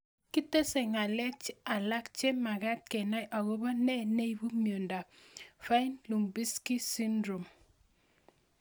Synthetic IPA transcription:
ki˦te˦se˨ŋa˨lɛ˦k̚t͡ʃa˨la˦kt͡ʃe˦ma˨ɡa˦t̚kɛ˨na˦jʔa˨ɡo˦ba˦nɛ˦ne˦i˨˦bu˦mjo˨nda˨fa˦i˦nlu˨mbi˦ski˦si˦ndɾo˨m

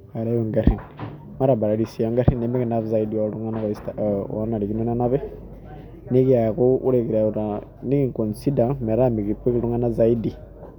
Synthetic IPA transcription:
ka˨ɾajo˨ŋɡa˦ɾi˨n | ma˦ɾa˨ba˨ɾa˨ɾisi˨ɔ˨ŋɡa˦ɾi˦ne˦me˦ki˨na˦βza˦idiɔɾu˦ŋa˦na˦ksta˦na˨ɾi˨ki˦no˦na˦na˦βe˦ | ni˦ki˦a˨ku˦ʔṵ˦ɾe˨ki˨ɾaɾani˦ki˨ŋko˨nsi˦da˨me˨ɾa˦mi˨ki˨pe˦ki˦ɾu˦ŋa˦na˦za˦i˦di˨

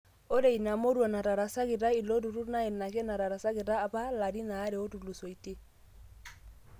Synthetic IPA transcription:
o˦ɾe˨i˨na˨mo˦ɾwa˨na˨ta˨ɾa˨sa˦ki˨ta˦i˨lo˦tu˨ɾu˦na˦ɛ˨na˨kɛ˦na˨ɾa˨ɾa˨sa˦ke˨taː˦pa˦la˨ɾi˦naː˨˦ɾe˨o˦tu˨lu˨so˨i˨te˦

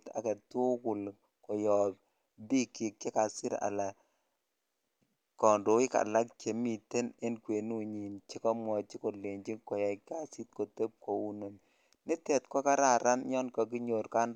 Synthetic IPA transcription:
ta̰˨ka˨tu˦kʊ˨l | kɔ˨jɔ˨b̚ | bi˦kːi˨k̚t͡ʃɛ˦ka˨sɪ˦ɾa̰˨la˨ | kɔ˨ndo˨˦i˦ka̰˨la˦k̚t͡ʃe˨mi˨te˦ne˦nkwe˨nu˦ɲi˨nt͡ʃi˦kɔ˦mwɔ˨t͡ʃi˦ko˨le˨ɲd͡ʒi˦ŋkɔ˨ja˨ka˦si˦t̚ko˨te˦p̚ko˨u˦no˨n | nɪ˦tɛ˨tkɔ˦ka˦ɾa˨ɾa˦n˦ɲɔ˦nkɔ˨k̬i˦ɲo˨ɾka˦n

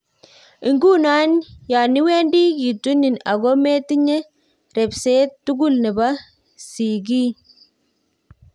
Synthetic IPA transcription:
i˨ŋɡu˦na˦nja˨ni˦weː˦ndi˦ki˨tu˦ni˨na˨ɣɔ˦me˦ti˦ɲɛ˦ | ɾe˨bse˦tːu˦ɡu˦lne˨ba˦ | si˨ɡiː˦

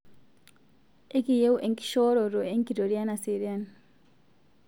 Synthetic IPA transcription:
e˦ki˨je˦u˦ʔe˨ŋki̥˦ʃɔ˦ɾɔ˨ɾo˨e˦ŋki˨ɾo˨ɾja˦na˨si˨ɾi˦a˦n

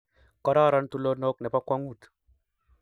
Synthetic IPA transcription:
kɔ˦ɾa˦ɾɔ˦nt̪u˦lo˦no˦knɛ˨pa˦kwa˦ŋu˦˨t̪

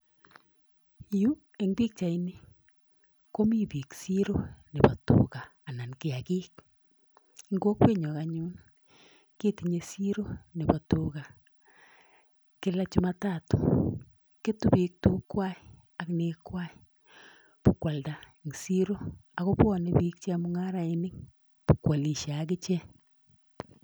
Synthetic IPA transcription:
ju˦ | e˨˦ŋbi˦k̚t͡ʃa˨i˦ni˦ | ko˦mi˦bi˨ksi˦ɾo˦ne˨ba˨tṵ˨kaː˨na˨nke˨a˨kiː˦k̚ | ŋɡo˦kwe˦ɲɔ˨ɣa˨ɲu˦n | ke˦ti˨ɲe˨si˦ɾo˦ne˨ba˨to˨ɣa˨ | kɪ˦la˦t͡ʃu˦ma˦ta˦˨tu̥˨ | ke˦tu˦bi˨k̚tu˦kwa˦i˨ | a˨kne˨kwa˦i˨ | pʊ˨kwa˨lda˨ | ŋ˨si˦ɾo˦a˨ɣo˦pɔ˦ne˦bi˦k̚t͡ʃe˦a˨mʊ˦ŋa˦ɾa˨e˦nɪ˦ŋ | pʊ˨kwa˨li˨ʃa˨˦k̬ɪ˦t͡ʃɛ˦

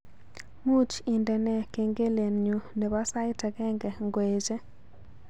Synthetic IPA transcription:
mu˦t͡ʃi˨ndɛ˨nɛ˨ke˨ŋɡe˦le˨nɲu˨ne˨ba˦sa˦jtɛ˨ɡɛ˦ŋɡɛ˨ŋɡwe˨d͡ʒe˦

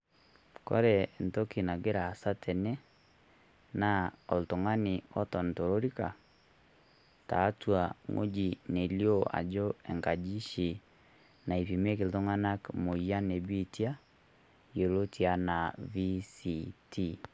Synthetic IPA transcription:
kɔ̰˦ɾɛ˨n˨tɔ˦ki˨na˨ɡe˦ɾaː˨sa˦tʰɛ˨nɛ˦ | na˦o˨lto˨ŋa˦ni˨ɔ˦tɔ˨nto˨ɾo˦ɾi˦ka̰˨ | ta̰˨˦twa˨ŋo̰˦d͡ʒi˨ne˨ljoa̰˨d͡ʒo˦ɛ˨ŋka˨d͡ʒi˦ʃi˨ | na˨i˨pi˨me˦ke˨lto˦ŋa˦na˦kmo˨ja˦ne˨bi˦tja˦ | jo˨lo˦tja˦na˨vi˦si˨tʰi˦

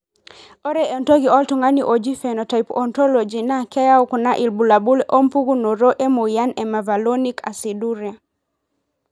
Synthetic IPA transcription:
ɔ˦ɾɛ˦e˨nto˦ɡiɔ˦ltu˨ŋa˦ni˨ʔo˨d͡ʒi˦fɛ˨nɔ˨ta˨jpɔ˨ntɔ˦lo˨d͡ʒi˨na˦kɛ˦ja˦u˦kna˦ʔi˨lbu˨la˨bu˦lʔo˦mpu˦ɡu˦no˨ɾo˦ʔe˦mo˨ja˦nɛ˨ma˨va˨lo˦ni˦ka̰˨siduɾia˨

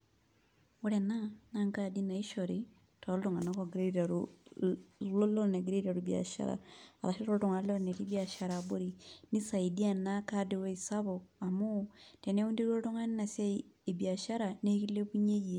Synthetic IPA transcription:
wu˦ɾɛ˨na˦na˦ŋka˦˨di˦na˨i˦ʃɔ˨ɾi˦ | tʰɔ˨˦ltɔ˨ŋa˨na˦kɔ˨ɡɾe˦ɾa˨ɾu | lɔ˦lɔ˦ne˨ɡɾe˦ɾa˨ɾu˨bia̰˨ʃa̰˦ɾa̰˨a̰˨ɾa˨ʃi˦ɔ˦tɔ˨ŋa˨lɔ˦ɾne˨ti˦bi˦a˨ʃa˦ɾa˨bo˦ɾi˨ni˦sa˨i˨di˦a˨na˦ka˦de˨wo˦i˨sa˦bɔ˨a˨mu˦tɛ˨ne˦u˦ndi˦ɾu˦ɔ˦tɔ˦ŋa˦n˦na˨seː˦˨bi˨a˨ʃa˦ɾa˨ne˦ki˦lːe˦pu˦ɲe˦je˨

